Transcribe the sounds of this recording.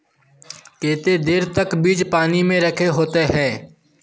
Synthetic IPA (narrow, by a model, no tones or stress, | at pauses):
keːt̪ed̪eːɾt̪əkbiːd͡ʒpaːnimẽɾəkʰeɦoːt̪eɦɛː